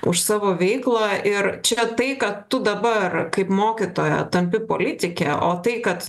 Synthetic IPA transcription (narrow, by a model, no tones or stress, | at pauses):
ʊʃsɑːʋoːʋʲɛɪklˠɑʔɪɾt͡ʃʲɛt̪ɐɪkɐt̪tʊd̪ɐbɐrkɐɪpmoːkʲit̪oːjɛ̰t̪ɐmʲpʲɪpo̰ːlʲɪt̪ʲɪkʲɛʔo̰ːt̪ɐɪkɐt̪